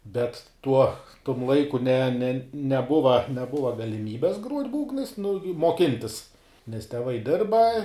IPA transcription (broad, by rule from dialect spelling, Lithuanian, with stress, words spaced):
ˈbʲɛt ˈtuɔ tʊm ˈlˠɐɪkʊ nʲɛ nʲɛ nʲɛˈbʊʋɐ nʲɛˈbʊʋɐ ɡɐlʲɪˈmʲiːbʲɛs ɡruɔtʲ ˈbuːɡnɐɪs nʊ jʊ muɔˈkʲɪnʲtʲɪs nʲɛs tʲɛˈʋɐɪ ˈdʲɪrbɐ